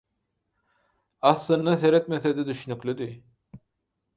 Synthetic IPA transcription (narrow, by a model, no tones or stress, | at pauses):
ɑslˠɯnd̪aseɾɛt̪mesed̪ɛd̪yʃynyklʲyd̪y